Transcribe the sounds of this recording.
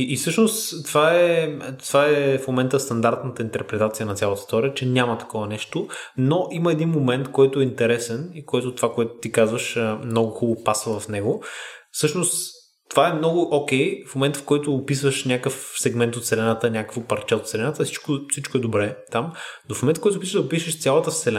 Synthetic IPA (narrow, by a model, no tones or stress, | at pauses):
iisɤʃnost̪t̪ːvaɛt̪vaɛfmomɛnt̪əst̪ɐnd̪aɾt̪nət̪əint̪ɛɾpɾɛt̪at̪sijənɐt̪sʲalˠət̪ə̥st̪ɔɾʲiət͡ʃɛnʲamət̪ɐ̥kɔvənɛʃt̪onoʔiməɛd̪inmomɛnt̪kɔjt̪ʊɛint̪ɛɾɛsɛnikɔjt̪ʊt̪ovakoɛt̪ʊ̥t̪ikazvəʃəmnɔɡʊxubˠopasvəvɐfnɛɡʊfsɤʃnost̪ː | ovaɛmnɔɡʊʔɔk̟ɛjfmomɛnt̪fkɔjt̪ʊːpisvəʃnʲakəfsɛɡmɛnt̪ot̪sɛlɛnat̪ənʲakə̥kvopɐɾt͡ʃɛot̪sɛlɛnat̪əsi̥t͡ʃkʊsit͡ʃkʊɛd̪obɾɛt̪amnofmomɛ̃nt̪̚kɔjt̪ʊːpisəʒd̪ɐopiʃəʃt̪sʲalˠət̪ət̪sɛlɛ